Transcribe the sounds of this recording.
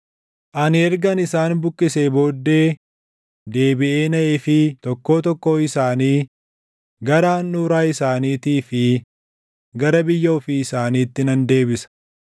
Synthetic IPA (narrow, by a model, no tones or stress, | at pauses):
ʔɐnɪɛɾɡɐnɪsaːnbʊkːɪse̞ːbo̞ːd̪ːe̞ː | d̪e̞ːbɪʔe̞ːnɐʔeːfɪt̪ɔkːo̞ːt̪ɔkːo̞ːɪsaːniː | ɡɐɾaːnːuɾaːɪsaːniːt̪iːfɪ | ɡɐɾɐbɪjːɐɔfiːɪsaːniːt̪ːɪnɐnd̪e̞ːbɪsɐ̥